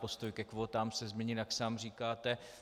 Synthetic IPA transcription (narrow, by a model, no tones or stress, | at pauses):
post̪ojkɛkvoːt̪aːmsɛzmɲɛɲɪljaksaːmr̝iːkaːt̪ɛ